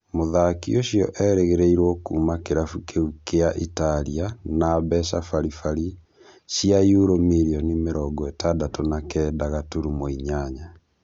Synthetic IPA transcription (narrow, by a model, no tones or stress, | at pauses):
moðakḭoɕjɔ̰ʔɛɾeɣeɾeiɾwɔkuːmakeɾafukʰeukeaʔitaɾianabɛsafaɾifaɾi | siajuɾomeɾiɔnimeɾɔɡɔɛtadatonakɛːdaɣatoɾumoiɲaɲa